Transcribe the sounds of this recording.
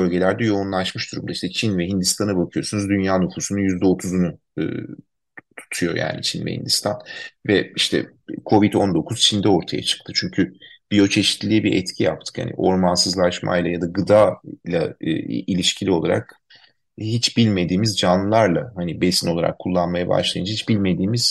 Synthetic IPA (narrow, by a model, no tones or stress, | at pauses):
bølʲɟe̞lʲæɾd̪ɛjo̞unlˠaʃmɯʃd̪uɾumd̪aiʃt̪ɛt͡ʃʰinvɛɦind̪ist̪ʰanabakʰɯjo̞sunuzd̪ynjaːnufusunujyzd̪ɛo̞t̪ʰuzunu | ɯ̰ː | t̪ʰu̥t̪ʰujo̞̰jʔa̰ːnḭt͡ʃʰinvɛ̰hḭnd̪ist̪ʰanvɛiʃt̪ʰɛ̰ | kʰo̞vid̪o̞nd̪o̞kʰuz̥t͡ʃʰind̪ɛo̞ɾt̪ʰaja̰t͡ʃʰɯ̥kt̪ʰɯt͡ʃʰyɲcʰyb̥ijo̞t͡ʃʰe̞ʃi̥t̪lʲiɛbiɾʔɛt̪cʰijap̚t̪ʰɯ̥kha̰nḭʔo̞ɾmansɯzlˠaʃma̰jlˠajad̪aɡɯd̪aːlˠa̰ʔilʲiʃcʰilʲio̞lˠa̰ɾa̰k | hit͡ʃbilʲme̞d̪iːmizd͡ʒanlːˠɯlˠaɾlˠahanibesinolˠaɾa̰kʰːulˠːanmajaba̰ʃlˠajɯnd͡ʒahit͡ʃbilʲme̞d̪iːmiz̥